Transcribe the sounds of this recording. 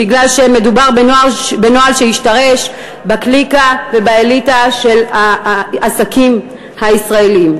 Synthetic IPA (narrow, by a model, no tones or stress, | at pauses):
biɡlalʃeme̞dubaʁbenoabeno̞alʃehiʃtaʁe̞ʃ | baklikave̞baelitaʃe̞laasakim | haisʁae̞liim